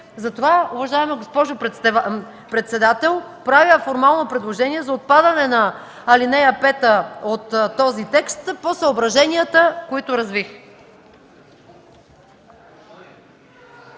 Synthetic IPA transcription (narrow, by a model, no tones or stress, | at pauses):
zɐt̪ovaʊvɐʒaɛmɐɡospɔʒo | pɾɛt̪sɛd̪at̪ɛlˠ | pɾavjfoɾmalˠnopɾɛd̪lˠoʒɛniɛzɐot̪̚pad̪ɐnɛnɐː | linɛjəpɛt̪əot̪t̪ːɔzit̪ɛkst̪posəobɾɐʒɛniət̪əkoit̪ʊɾɐzvix